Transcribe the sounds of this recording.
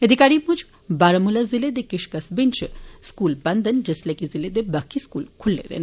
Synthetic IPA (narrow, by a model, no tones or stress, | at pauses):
ed̪ʱikaɾiput͡ʃ | baɾɐmulaziled̪ekiʃkɐsbint͡ʃʰskuːlbɐnd̪ənd͡ʒɐslekiziled̪ebɐkʰːiskṵːlkʰulːḛd̪ḛn